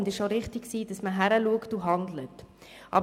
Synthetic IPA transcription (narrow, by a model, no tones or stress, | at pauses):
ndɪʃoɾɪχtiksiːd̥ɑsməɦæɾəluəktuɦɑndlətʔɑ̰b